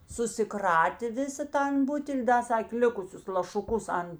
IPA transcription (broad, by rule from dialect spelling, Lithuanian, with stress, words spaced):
sʊsʲɪˈkrɑːtʲeː ˈʋʲɪsɐ ˈtɐn ˈbʊtʲɛlʲ ˈdɐ ˈsɑːkʲeː ˈlʲɪkʊsʲʊs lˠɐʃʊˈkʊs ɐn